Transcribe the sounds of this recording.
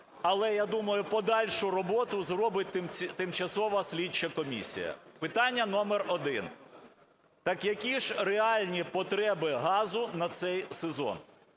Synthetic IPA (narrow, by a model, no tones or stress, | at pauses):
ɐlˠɛjad̪umɐjʊpɔd̪ɑlʲʃʊrɔbɔt̪ʊzɾɔbɪt̚ʲt̪mt̪ɪmt͡ʃɐsɔʋɐsʲlʲit͡ʃɐkɔmʲḭsʲḭjɐ̰pɪt̪ɑnʲːɐnɔmerɔd̪ɪn | t̪ɑkjɐkʲiʒreɑlʲnʲipɔt̪ɾɛbɪɦɑzʊnɐt̪sɛjsezɔ̰n